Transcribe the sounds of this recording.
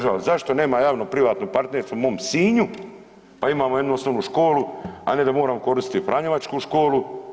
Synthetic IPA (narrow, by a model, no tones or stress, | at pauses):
ʒaazaʃt̪o̞ne̞ːmajaːʋnopɾiʋaːt̪nopaɾt̪neɾst̪oumoːmsiːɲu | paimaːmojed̪nuo̞snoːʋnuʃko̞ːlua̰ne̞d̪amo̞ːɾaːmoko̞ɾist̪t̪fɾʔaɲoʋat͡ʃkuʃko̞ːlu